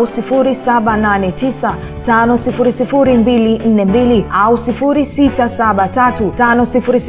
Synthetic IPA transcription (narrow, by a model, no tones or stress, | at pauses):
usifuɾisaɓananɛtisa | tanɔsifuɾisifuɾimbilin̩nɛmbiliʔausifuɾisitasaɓatatutanɔsifuɾis